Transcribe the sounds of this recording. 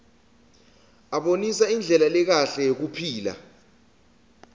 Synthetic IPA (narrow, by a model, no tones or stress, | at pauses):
aɓonisaind͡ɮʱɛlalɛk̬aɬɛjok̬upʰiːla̰